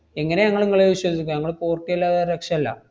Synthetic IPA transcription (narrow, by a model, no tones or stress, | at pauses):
eŋːɐne̞ɲɐŋːɐɭeŋːɐɭeʋiɕwoːd̪ikʲːuɲɐŋːɐɭkoːrtːiɐlːaːðɐɾekʂɐmɐlːɐ̰